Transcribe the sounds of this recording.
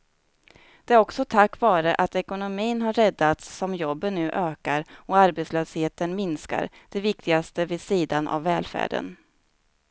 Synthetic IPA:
d̪̥ɛæɾɔksɔt̪ʰakːvɑːɾəʔat̪ɛkʊnʊmiːnɦaɾːɛd̪ːat̪sːɔmjɔbːənːʉ̟ːʔøːkaɾɔaɾbɛt̪sløːsheːt̪ənmɪnska̰ɾd̪̥ɛvɪk̚t̪ɪɡast̪əvɪsiːd̪anʔa̰vːɛːlfæ̰ːɖə̰n

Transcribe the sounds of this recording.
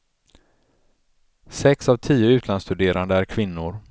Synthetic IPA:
sɛksavt̪ʰiːʊʉ̟ːt̪ʰlanst̪ɵd̪eːɾʔand̪əæɾkʰvɪnːʊɾ

